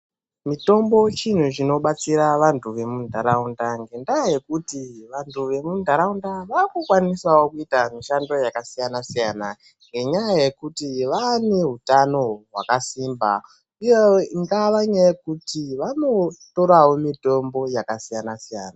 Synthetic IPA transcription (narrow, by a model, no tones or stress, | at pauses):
mito̞mbo̞t͡ʃin̤ut͡ʃino̞ɓat͡siɾaʋantʰuʋe̞mundʱaɾaundaŋɡe̞ndaje̞kutiʋantuʋe̞mundʱaɾaundaʋarkukwanisaokuitamiʃando̞jakasijanasijana | ŋɡe̞ɲajaaje̞kutiʋaːneɦutano̞ɦwa̰kasiːmba̰ | ujeiŋɡaʋaɲajekutiʋano̞to̞ɾawomito̞mbo̞jakasijanasija̰ːna